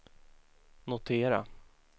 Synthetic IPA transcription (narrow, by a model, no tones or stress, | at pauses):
nʊt̪ʰeːɾa̰